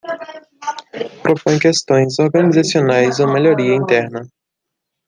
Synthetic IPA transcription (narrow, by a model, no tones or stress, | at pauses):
pɾopõj̃kest̪õj̃zoɾɡɐnizasionajzomeʎoɾiɐĩnt̪ɛɾnɐ